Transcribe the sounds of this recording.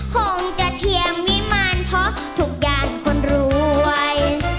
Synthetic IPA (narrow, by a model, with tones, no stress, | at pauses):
kʰo˧˩ŋt͡ɕa˧˨t̪ʰi˧˩əmːiː˦˥ma˥˩˨npʰɔ˧˥ | t̪ʰu˨˧˩k̚jaː˨˩ŋkʰo˧˥nɾuː˨˦˧j